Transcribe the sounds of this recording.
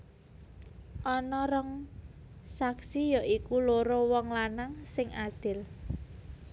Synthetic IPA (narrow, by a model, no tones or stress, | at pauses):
ʔɔnɔɾɔŋ | saksijɔʔikuloɾɔwɔŋlanaŋsɪŋʔad̪̥ɪ̤l